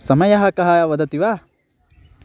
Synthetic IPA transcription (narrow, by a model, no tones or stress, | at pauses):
sɐmɐjɐɦɐkɐɦɐʋɐd̪ɐt̪iʋa